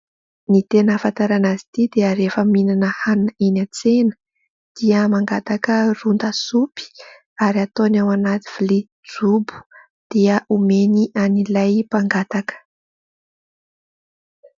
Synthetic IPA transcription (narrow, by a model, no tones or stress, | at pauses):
nit̪enəfant̪aɾanazi̥t̪id̪eəɾefəminanəhanninat͡senə̥ | d̪̥iəmaŋɡat̪akərund̪əsupi̥ | aɾiat̪onawanat̪i̥v̥li | d͡zubu̥ | d̪̥iəʔumeniʔanilajpaŋɡat̪akə̥